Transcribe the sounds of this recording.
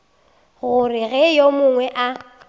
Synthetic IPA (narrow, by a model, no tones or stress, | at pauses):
ɣʊrɪɣɛjomʊŋwɛʔa